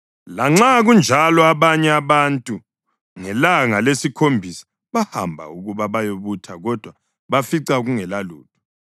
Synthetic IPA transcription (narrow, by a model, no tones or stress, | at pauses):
laŋ͡ǁaɣund͡ʒʱalɔaβaɲɛaβantʼu | ŋɛlaŋalesikʰombʱisḁ | βaha̰mbʱa̰uɣuβaβajoβutʰaɣɔd̥ʱwa | βafiǀaɣuŋɛlalṵːtʰu̥